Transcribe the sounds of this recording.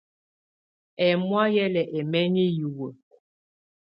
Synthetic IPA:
ɛ˨mwa˦jɛ˦lɛ˨ʔɛ˨mɛ˦ɲi˦ju˨wə˨

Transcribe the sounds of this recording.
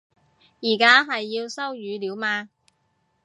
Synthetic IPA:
jiː˨˩kaː˥ɦɐ˨jːiː˧wsɐ˥wjyː˨˧liː˨˥wmaː˧

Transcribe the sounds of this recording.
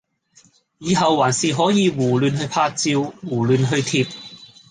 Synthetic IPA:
jiː˨˧ɦɐ˨˧wwaː˨˩nsiː˨ɦɔː˨˥jiː˨˧wuː˨˩lyː˨˧nɦɵ˧ɥpʰaː˧t͡siː˧wwuː˨˩lyː˨nɦɵ˧ɥt̪ʰiː˧p̚

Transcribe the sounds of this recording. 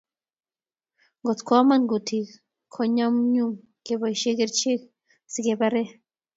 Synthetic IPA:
ŋɡo˨t͡skʷa˦ma˦nɡu˨t̪ʰi˨k | kʰo˨ɲa˦mɲu˦m | ke˨bajʃe˦ɡe˦ɾt͡ʃe˦k | si˨ɡe˨baɾe˦

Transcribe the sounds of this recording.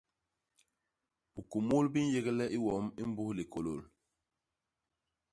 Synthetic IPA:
b̥u˨ku˨mu˦lbi˦n˦je˦ɡi˦lɛ˦ʔi˦wɔ˨˦mi˦m˦bu˦hli˨ko˨lo˨l

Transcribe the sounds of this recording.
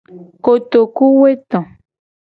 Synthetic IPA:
ko˨t̪o˨ku˦we˦t̪ɔ̃˨

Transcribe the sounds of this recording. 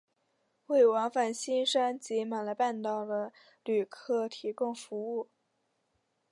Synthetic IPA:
we˥˩ɪwɑ˧˥ŋfa˨˩nɕi˥nʂa˥nt͡ɕi˧˥ma˨˩nlə˧ɪpa˥˧nt̪ɑ˨˩ʊd̪ə˨˩ | ly˨˩kʰɤ˥˩t̪ʰi˧˥kʊ˥˧ŋfu˧˥u˥˩

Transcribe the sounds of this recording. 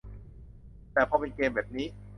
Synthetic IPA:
t̪ɛː˨˩pʰɔː˧pe˧nkeː˧mbɛː˨˩p̚niː˦˥

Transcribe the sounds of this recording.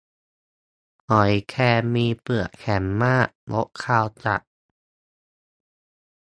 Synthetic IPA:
ʔɔ˨˩˦jkʰɛː˧miː˧pɯ˨˩əkkʰɛ˩˦mːaː˥˩ʔlo̰˦˥ʔkʰaː˧wt͡ɕa̰˨˩ʔ̚

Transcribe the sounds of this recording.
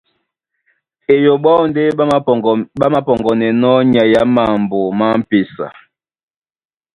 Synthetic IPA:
e˨jo˨ɓa˦wnde˦ | ɓa˦ma˦pɔ˨ŋɡɔ˨nɛ˨nɔ˦ɲa˨ja˦ma˨m˨bo˨ma˦m̩˦pe˨sa̰˨

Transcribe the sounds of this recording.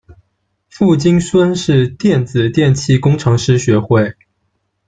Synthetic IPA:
fu˥˩t͡ɕi˥ŋswə˥nʂɻ̩˥˧t̪jɛ˥˩nd͡zɹ̩˨˩t̪jɛ˥˧nt͡ɕʰi˥˩kʊ˥ŋʈ͡ʂʰɤ˧˥ŋʂɻ̩˥ɕɥɛ˧˥xwe˥˩ɪ

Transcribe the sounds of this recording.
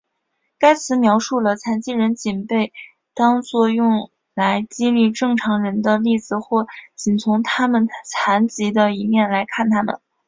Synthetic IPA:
ka˥ɪt͡sʰɹ̩˧˥mjɑ˧˥ʊʂu˥˩lə˩t͡sʰa˧˥nt͡ɕi˥ɻə˧˥nt͡ɕi˨˩npe˥˩ɪ | t̪ɑ˥ŋt͡swɔ˥˧jʊ˥˩ŋ | la˧˥ɪt͡ɕi˥nli˥˧ʈ͡ʂɤ˥˩ŋʈ͡ʂʰɑ˧˥ŋɻə˧˥nd̪ə˧li˥˩d͡zɹ̩˨˩xwɔ˥˩t͡ɕi˨˩nt͡sʰʊ˧˥ŋt̪ʰa˥mə˨nt͡sʰa˧˥nt͡ɕi˧˥d̪ə˧i˧˥mjɛ˥˩nla˧˥ɪkʰa˥˩nt̪ʰa˥mə̰˨˩n

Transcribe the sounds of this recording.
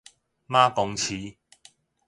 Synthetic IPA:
maː˥kʊ˨˧ŋt͡sʰiː˨˧

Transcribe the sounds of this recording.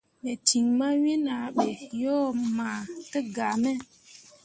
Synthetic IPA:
ɓɛ˨ti˨ŋma˦we˦na˨ɓɛ˨jɔ˦maː˨tə˦ɡa˨mɛ˦

